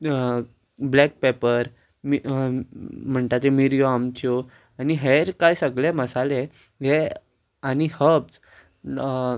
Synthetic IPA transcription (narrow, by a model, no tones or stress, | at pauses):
blɛk̚pepəɾ | mi | m̤əɳt̪at̪emiɾjoamt͡ɕo | aniɦeɾkajsəɡleməsale | ɦe | anihəbt͡s